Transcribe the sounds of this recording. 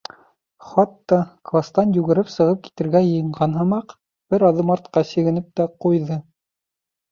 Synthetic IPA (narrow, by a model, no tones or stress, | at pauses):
χɑt̪ːɑklˠast̪ɑnjʉɣɘ̆ɾɘpsɤ̆ʁɤp̚ki̥t̪ɘ̆ɾɡæjɤ̆jɤ̆ɴɢɑnɦɤ̆mɑq | b̥ɘɾɑðˠɤmɑɾt̪qɑsɘ̆ɡɘ̆nɘp̚t̪æqujðɤ